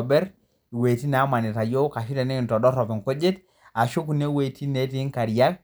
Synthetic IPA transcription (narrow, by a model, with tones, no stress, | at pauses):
bɛ˦ɾ | i˨we˨ti˦n˨a˦ma˨ni˨ta˨jo˦ka˨ʃi˦tɛ˨ni˦˨n˨tɔ˨ɗɔ˦ɾɔ˨pi˨ŋko˦d͡ʒe˦t | a˨ʃo˦ku˨ne˦we˨tʰi˦ne˦ti˦ŋka˨ɾja˦k̚